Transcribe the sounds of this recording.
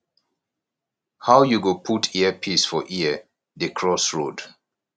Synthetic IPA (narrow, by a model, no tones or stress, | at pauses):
hawjuɡopʰutʰiəpʰisfɔʔiə | dekʰɹɔsɹod